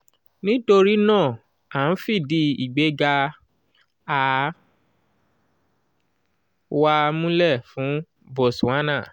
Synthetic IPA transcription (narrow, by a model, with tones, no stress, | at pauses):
nĩ˦to˧ɾi˦nãː˦˨ | a˨n̩˦fi˦˨di˧˦i˨ɡ͡be˨˦ɡa˧ | a˨ | wa˧mũ˦lɛ˦˨fũ˨˦ | bɔ˨sũ˨ã˦nã˦˨